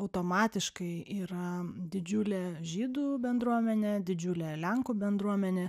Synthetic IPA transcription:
ɐʊt̪oːmɑːt̪ʲɪʃkɐɪʔiːɾɐd̪ʲɪd͡ʒʲuːlʲeːʒʲiːd̪uːbʲɛnd̪ɾuɔmʲɛnʲeːd̪ʲɪd͡ʒʲuːlʲeːlʲɛŋkuːbʲɛnd̪ɾuɔmʲɛnʲeː

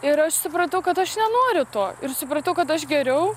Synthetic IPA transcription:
ɪɾɐʃsʊpɾɐt̪ɐʊkɐt̪ɐʃnʲɛnoːɾʲʊt̪oːɪrsʊpɾɐt̪ɐʊkɐt̪ɐʃɡʲɛɾʲɛʊ

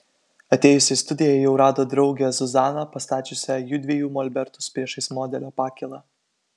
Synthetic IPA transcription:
ɐt̪ʲeːjʊsʲɪst̪ʊd̪ʲɪjɛɪjɛʊɾɑːd̪oːd̪ɾɒʊɡʲɛzʊzɑːnɐpɐst̪ɑːt͡ʃʲʊsʲɛjud̪ʲʋʲiɛjuːmɔlʲbʲɛɾt̪ʊspʲɾʲiɛʃɐɪsmɔːd̪ʲɛlʲoːpɑːkʲɪlˠɑː

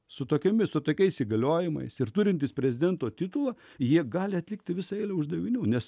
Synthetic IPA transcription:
sʊt̪oːkʲɛmʲɪsʊt̪oːkʲɛɪsiːɡɐlʲoːjɪmɐ̰ɪsɪrt̪ʊɾʲɪnʲt̪ʲɪspʲɾʲɛzʲɪd̪ʲɛnt̪oːt̪ʲit̪ʊlˠɐ | jiɛɡɑːlʲɪɐt̪lʲɪk̚t̪ʲɪʋʲɪsɐɛːlʲoːʊʒd̪ɐʋʲɪnʲuːnʲɛs

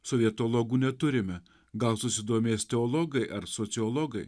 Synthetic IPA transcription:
soːʋʲiɛt̪oːlˠoːɡuːnʲɛt̪ʊɾʲɪmʲɛ | ɡɐlˠsʊsʲɪd̪oːmʲeːsʲt̪ʲɛoːlˠoːɡɐɪʔɐɾsoːt̪sʲɪɔːlˠoːɡɐɪ

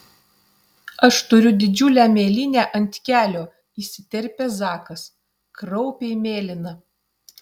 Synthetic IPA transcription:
ɐʃt̪ʊɾʲʊd̪ʲɪd͡ʒʲʊlʲæːmʲeːlʲɪnʲæːʔɐnʲt̪ʲkʲæːlʲoː | isʲɪt̪ʲɛɾʲpʲeːzɑːkɐs | kɾɒʊpʲɛɪmʲeːlʲɪnɐ

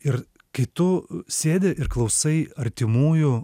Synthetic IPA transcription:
ɪɾ | kʲɐɪt̪ʊsʲeːd̪ʲɛʔɪɾklˠɐʊsɐɪɐɾʲt̪ʲɪmuːjʊ

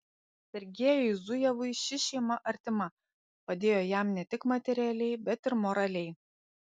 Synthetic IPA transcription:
sʲɛɾʲɡʲeɛjɛɪzʊjɛʋʊɪʃʲɪʃʲɛɪmɐʔɐɾʲt̪ʲɪmɐ | pɐd̪ʲeːjoːjæˑmnʲɛt̪ʲɪkmɐt̪ʲɛɾʲɪɛlʲɛɪbʲɛt̪ɪɾmɔɾɐlʲɛɪ

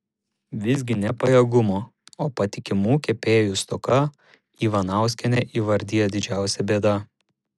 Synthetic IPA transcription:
ʋʲɪzʲɡʲɪnʲɛpɐjɛɡʊmoːoːpɐt̪ʲɪkʲɪmuːkʲɛpʲeːjuˑst̪ɔkɐ | iːʋɐnɑˑʊsʲkʲɛnʲɛʔiːʋɐɾʲd̪ʲiːjɛd̪ʲɪd͡ʒʲæˑʊsʲɛbʲeːd̪ɐ

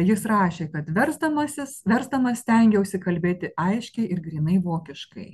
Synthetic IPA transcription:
jɪsɾɑːʃʲeːkɐt̪ʋʲɛɾzd̪ɐmɐsʲɪsʋʲɛɾzd̪ɐmɐsʲt̪ʲɛŋʲɡʲɛʊʃʲsʲɪkɐlʲbʲeːt̪ʲɪɐɪʃʲkʲɛɪʔɪɾɡɾʲinɐɪʋoːkʲɪʃkɐ̰ɪ

